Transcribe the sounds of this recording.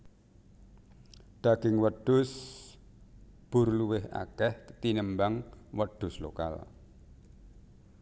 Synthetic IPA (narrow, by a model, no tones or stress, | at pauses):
ɖ̪̥a̤ɡ̥ɪŋwəɖ̥ʊs | b̥ʊrluwɪɦa̰ɡ̥ɛht̪inəmbaŋwəɖ̥ʊ̤slo̰ka̰l